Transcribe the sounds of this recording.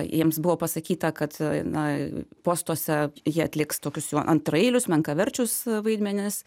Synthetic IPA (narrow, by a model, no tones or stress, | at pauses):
jiɛmsbʊʋoːpɐsɐkʲiːt̪ɐkɐt̪nɐpoːst̪uɔsʲɛjiɛɐt̪ʲlʲɪkst̪oːkʲʊsjuːʔɐnt̪ɾɐeːlʲʊsmʲɛŋkɐʋʲɛɾʲt͡ʃʲʊsʋɐɪd̪ʲmʲɛnʲɪs